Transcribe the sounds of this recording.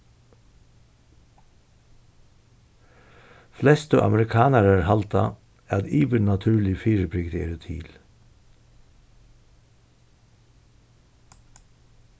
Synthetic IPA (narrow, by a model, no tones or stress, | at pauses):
flɛst̪ə̰ʔɑ̰məɾɪkʰɑːnəɾæːɹhɑlt̪ɑ | æːɑd̪iːbəɳɑt̪ʰʉːlɪfyːɾəpʰɾʏɡd̪ḛɾʉt̪ʰḭːl